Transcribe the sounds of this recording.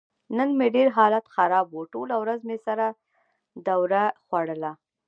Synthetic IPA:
nənmeɖeɾɦɑlat̪xaɾɑbwoʈolawɾazmesaɾa | d̪awɾaxwaɽəla

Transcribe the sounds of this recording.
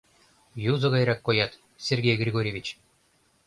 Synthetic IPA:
juzɤ̆ɣɑjɾɑkːojɑt̪ | sʲerɡʲejɡɾʲiɡoɾʲevʲit͡ɕ

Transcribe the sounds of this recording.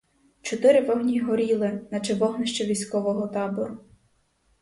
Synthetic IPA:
t͡ʃɔt̪ɪɾɪʋɔɦnʲiɦɔɾʲilˠɪnɐt͡ʃeʋɔɦnɪʃt͡ʃɛʋʲisʲkɔʋɔɦɔt̪ɑbɔɾʊ

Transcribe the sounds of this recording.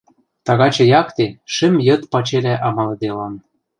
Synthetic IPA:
t̪ɑɣɑt͡ɕɤ̆jɑkt̪eʃɘ̆mjɤ̆t̪pɑt͡ɕelʲæʔɑmɑlɤ̆d̪elɑn

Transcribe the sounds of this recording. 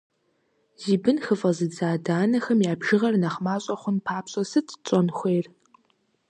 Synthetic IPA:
ziːbɨnxɨfʼɐzɨd͡zaːdaːnɐxɐmjaːbʒɪʁɐrnɐχmaːɕʼɐχʷʊnpʰaːpɕʼɐsɨtʰt͡ʃʼɔnxʷeːr

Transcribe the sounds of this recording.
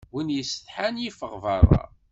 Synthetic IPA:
winjəsəθħanjifəʁvɑɾˤːɑ̰

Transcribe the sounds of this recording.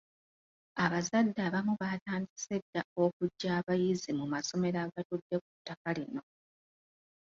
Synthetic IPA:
aβazadːaβamuβataːndise̞dːao̞kuɟːaːβajizimumaso̞me̞ɾaɡatudːe̞k̚utːakalino̞

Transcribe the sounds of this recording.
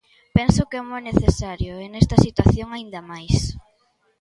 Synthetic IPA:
pɛnsʊkeɛmɔjneθesaɾjʊenɛst̪ɐsit̪waθjoŋaind̪ɐmajs

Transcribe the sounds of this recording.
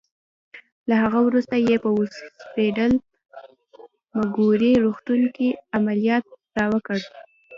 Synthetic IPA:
lahaɣawɾust̪ajepəuspeɖəl | maɡuɾiɾuxt̪uŋkiamalijɑt̪̚dɑwəkəɽ

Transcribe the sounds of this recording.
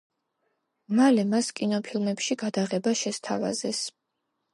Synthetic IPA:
malɛmaskʼinɔpʰilˠmɛpʃiɡad̪aʁɛbaʃɛst̪ʰava̰zɛs

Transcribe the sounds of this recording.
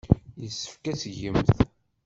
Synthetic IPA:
jəsːə̥fkæsʝəmθ

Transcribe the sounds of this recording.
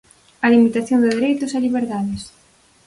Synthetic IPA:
ɐlimit̪aθjond̪ɪðeɾejt̪ʊsaliβeɾðaðɪs

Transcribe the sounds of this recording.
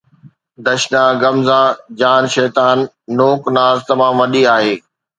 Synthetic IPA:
d̪ɐʃnãɡɐmzãːd͡ʑaːnʃɛːt̪aːnː | oːknaːzt̪ɐmaːmʋɐɗiaːɦeː

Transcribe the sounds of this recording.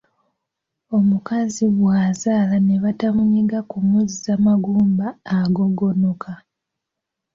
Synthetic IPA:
o̞mukaziβwaːzaːlane̞βatamuɲiɡakumuzizamaɡuːmbaːɡo̞ɡonokʰa

